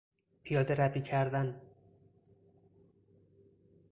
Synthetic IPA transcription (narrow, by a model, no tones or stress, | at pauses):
pʰijɒːd̪eɾæbiːcʰæɾd̪æn